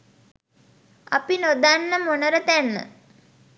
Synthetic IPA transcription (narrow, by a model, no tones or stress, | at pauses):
a̰pinod̪anːəmonəɾət̪ænːə̰